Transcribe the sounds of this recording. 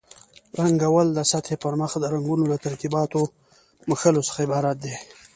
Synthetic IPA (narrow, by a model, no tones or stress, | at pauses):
ɾaŋɡawald̪əsat̪ʰhepəɾməxd̪əɾaŋɡunolat̪aɾt̪ibɑt̪o | məxəlosə̥xaɪbɑɾat̪̚d̪e